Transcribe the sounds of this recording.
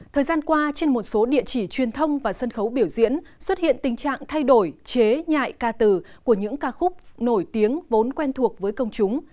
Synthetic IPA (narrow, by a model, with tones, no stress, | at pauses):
t̪ʰəː˨˩jzaː˧nkwaː˧t͡ɕe˧nmo˨˩t̚so˨˦ɗḭ˧˨ət͡ɕi˧˩t͡ɕwi˨˩ənt̪ʰə˧wŋ͡mvaː˨˩sə˧nxə˨˦wɓi˧˩əwzḭ˧˥ənswə˦˥t̚hḭ˧˨ənt̪ï˨˩ŋ̟t͡ɕa̰ː˧˨ŋt̪ʰa˧jɗo˧˩jt͡ɕe˨˦ɲa̰ː˧˨jkaː˧t̪ɨ˨˩ku˧˩əɲɨ̰˧˥ŋkaː˧˩xʊ˦˥k͡p̚no˧˩jt̪i˨˦əŋvo˨˦nkwɛ˧nt̪ʰu˨˩ək̚vəː˨˦jkə˧wŋ͡mt͡ɕʊ˨˦ŋ͡m